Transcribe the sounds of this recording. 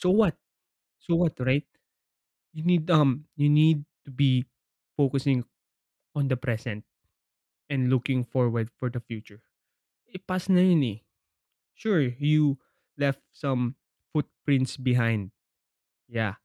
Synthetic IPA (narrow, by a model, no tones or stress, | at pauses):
sowɐt̪̚ | sowɐt̪ɹaɪt̪̚ | junid̪ʌ̃mjunid̪̚t̪ubi | fokʊsɪ̃ŋ | ɔ̃nd̪ɐpɹɛsɛ̃nt̪̚ | ʔɛ̃nd̪lukɪ̃ŋfɔɹwɛɹd̪̚fɔɹd̪ɐfjut͡ʃʊɹ | ɪpasnɐɹɪ̃ni | ʃuɹju | lɛft̪̚sʌ̃m | fut̪̚pɹɪ̃nt̪sbɪɦãj̃nd̪̚ | ja